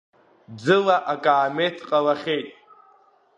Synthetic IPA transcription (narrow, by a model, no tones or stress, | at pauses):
d͡zɨlaʔakʼaːmetʰqʼalaχʲejtʼ